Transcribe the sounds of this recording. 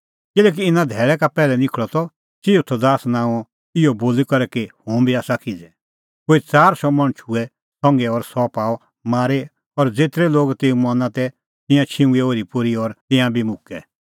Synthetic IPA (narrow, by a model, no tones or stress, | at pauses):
kɪlɛːk̬iɪnãd̪ʱɛːɭɛkapɛːlɛnɪkʰɭɔt̪ɔ | t͡ʃiːut̪ʰːɔd̪aːsnãːɔ | ɪɔboːlikɐɾɛkehʊ̃bʱiaːsakʰid͡zɛ | koːit͡saːɾsɔmɐ̃ɽ̃t͡ʃʰuɛ | sɔ̃ŋɡɛɔɾsɔpaːɔ | maːɾe | ɔɾd͡zeːt̪ɾɛloːɡt̪eːumɔnãt̪ɛ | t̪ɪ̃jãt͡ʃʰɪ̃ũioːɾipʊɾiɔɾt̪ɪ̃jãbʱimʊkɛ